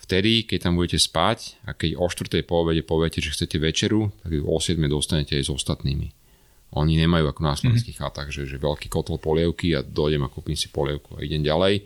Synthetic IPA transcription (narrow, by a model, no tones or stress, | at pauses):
ft̪ɛd̪ikɛc̚t̪ambuɟɛcɛspacakɛɟɔʃt̪ʋr̩t̪ɛjpɔʋɛɟɛpɔʋɛcɛʒɛxt͡sɛcɛʋɛt͡ʃɛɾut̪aɡɔ̰sɪɛd̪mɛd̪ɔst̪aɲɛcɛajzɔst̪at̪niːmḭ | ʔɔɲiɲɛmajuːakɔnaslɔʋɛnnskiːxat̪aɣʒɛʒɛʋɛlkiːkɔt̪ɛlpɔlɪɛʊkiad̪ɔjɟɛmakupimsi̥pɔlɪɛʊkua̰ḭɟɛmɟalɛj